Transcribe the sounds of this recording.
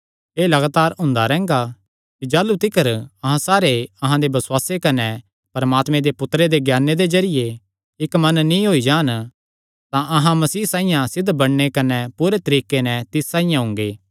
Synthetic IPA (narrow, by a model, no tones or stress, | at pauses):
eːlɐɡaːt̪aːɾɦʊ̃ːnd̪aɾɛ̃ːŋ̆ɡa | kid͡ʒaːlut̪ɪkəɾɐɦãsaːɾeɐɦãd̪ebɐswaːsekɐnɛ | pɐɾɐmaːt̪mẽd̪epʊt̪ɾed̪eɡjaːnːed̪ezɐɾɪje | ɪkmɐnːnĩɦoːid͡ʒaːn | t̪ãʔɐɦãmɐsiːsãːĩjãsɪd̪ʱbɐɽnekɐnɛpuːɾet̪ɐɾiːkːenɛ̃t̪ɪsːãːijãɦʊ̃ŋɡeː